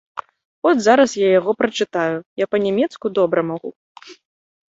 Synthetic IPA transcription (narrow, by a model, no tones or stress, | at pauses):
ɔd̪ʲzaɾɐsjajaɣɔpɾɐt͡ʂɨt̪ajujapɐnʲɛmʲɛt̪skud̪ɔbɾɐmaɣu